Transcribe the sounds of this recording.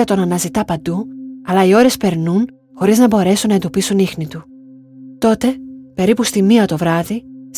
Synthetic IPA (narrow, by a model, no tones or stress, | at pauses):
ɐt̪o̞nɐnɐzit̪ɐpɐnd̪uɐlɐio̞ɾe̞spe̞ɾnun | xo̞ɾiznɐbo̞ɾe̞sunːɐend̪opisunixnit̪u | t̪o̞t̪e̞pe̞ɾipust̪imiɐt̪o̞vɾɐðis